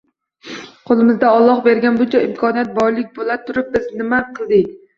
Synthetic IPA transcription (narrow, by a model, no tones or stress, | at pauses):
qʰolˠɪmɪzd̪aɒlˠːɒχbeɾɡʲanbʊt͡ʃʰaɪmkʰɒnijat̪̚bɒjlˠɪk̚ʲbolˠat̪ʰːʊɾɪp̚bɪznɪmaqʰɨlˠd̪ɪkʲ